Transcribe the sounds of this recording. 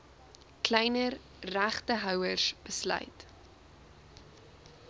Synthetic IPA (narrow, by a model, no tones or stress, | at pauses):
klɛjnər | ræχtəɦœwərsb̥əslœ̰ɥt